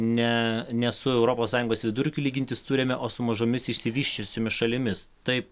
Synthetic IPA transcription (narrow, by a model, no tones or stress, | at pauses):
nʲɛnʲɛsʊɛʊɾoːpoːssːɑːjʊŋɡoːsʋʲɪd̪ʊɾʲkʲʊlʲiːɡʲɪnʲt̪ʲɪst̪uːɾʲemʲɛʔoːsʊmɐʒomʲɪsɪʃʲsʲɪʋʲiːʃʲt͡ʃʲʊsʲoːmʲɪsʃɐlʲɪmʲɪst̪ɐɪp̚